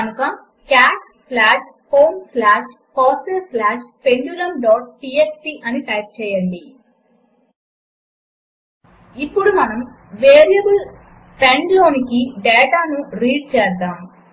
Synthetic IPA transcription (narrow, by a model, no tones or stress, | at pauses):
kɐnukɐ | kaːʈ̚ | slaːʂ | poːmslaːʂ | kɔːsɐɾslaːʂpeɳɖuːlɐmɖɔːʈ̚ʈiːeːkʈiʔɐniʈɐːk̚t͡ʃɛːjɐɳɖi | ipːuɽumɐnɐm | ʋeːɾijɐbul | peɳɖlo̞ːnikiɖɛːʈaːnuɾiːɖ̚t͡ʃɛːsd̪aːm